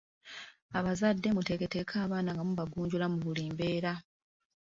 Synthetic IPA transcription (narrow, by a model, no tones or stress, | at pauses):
aβazadːe̞mute̞ːkete̞kʰaːβaːnaŋɡamuβaɡuːɲɟulamuβuliːmbe̞ːɾa